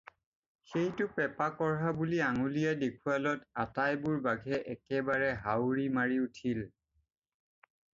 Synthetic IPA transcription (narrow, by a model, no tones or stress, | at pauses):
xejtʊpɛpakɔɹɦabuliaŋulijadekʰualɔtatajbʊɹbaɡʱɛʔɛkɛbaɹɛɦawɹimaɹiutʰil